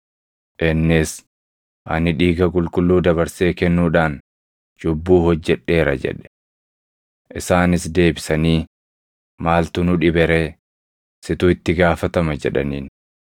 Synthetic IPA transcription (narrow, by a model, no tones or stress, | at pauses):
ʔɪnːɪs | ʔɐ̰nɪᶑiːɡɐkʼʊlkʼʊlːuːd̪ɐβɐɾse̞ːkɛnːuːᶑaːn | d͡ʒʊbːuːhɔd͡ʒːɛᶑːe̞ːɾɐd͡ʒɛ̰ᶑɛ̥ | ʔɪsaːnɪsd̪e̞ːbɪsɐniː | maːlt̪ʊnʊᶑɪbɛɾe̞ː | sɪt̪ʊɪt̪ːɪɡaːfɐt̪ɐmɐd͡ʒɛᶑɐ̰niːn